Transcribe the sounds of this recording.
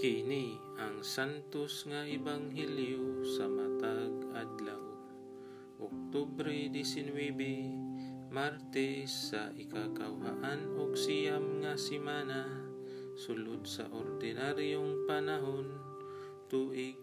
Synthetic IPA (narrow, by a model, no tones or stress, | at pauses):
kɪni | aŋsant̪osŋaʔɪbaŋɦɛljosamat̪aɡad̪law | ʔok̚t̪ubɾɛd̪isɪnwɛbɛ | maɾt̪ɛsːa̰ʔɪkakawha̰ʔanoɡsijamŋasɪmana | sʊlʊd̪sa̰ʔoɾd̪ɪnaɾjoŋpanaɦon | t̪uʔɪɡ̚